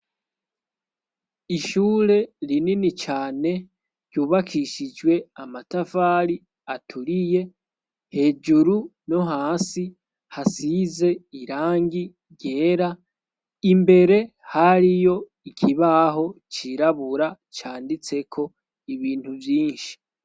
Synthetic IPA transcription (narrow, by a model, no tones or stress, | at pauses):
iʃuːɾe̞ɾininit͡ʃaːne̞ | ɾɟuːβakʰiʃid͡ʒɡwe̞amatafaɾi | atʰuɾije̞ | he̞ːd͡ʒuɾuno̞ɦaːsi | hasize̞iɾaːŋɡi | ɟe̞ːɾa | imbe̞ɾe̞ | haɾijo̞ | ikʰiβaɦo̞t͡ʃiɾaβuɾa | t͡ʃaːndit͡se̞kʰo̞ | iβiːnthuvjiːnʃi̥